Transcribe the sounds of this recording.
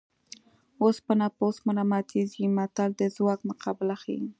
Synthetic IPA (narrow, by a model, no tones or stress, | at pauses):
ospənaposmʊɾamat̪izimat̪ald̪əzwɑkmʊqʰɑbɪlaxḭ